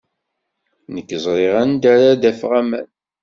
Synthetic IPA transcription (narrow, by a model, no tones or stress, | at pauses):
nəkːəzˤɾˤeʁænd̪æɾad̪æfʁæmæn